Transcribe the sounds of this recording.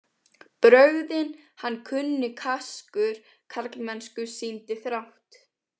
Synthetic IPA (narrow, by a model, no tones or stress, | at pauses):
pɾœɥðɪnhanːkʰʏnːɪkʰaskʏɾ̥ | kʰaɾklmɛnskʏsiːnt̪ɪθɾawht̪